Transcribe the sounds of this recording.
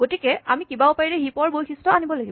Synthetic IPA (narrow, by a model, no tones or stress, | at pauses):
ɡ̥otikɛamikibaʊpaɹilɛɦipɔɹbojxʰistɔanibɔlaɡib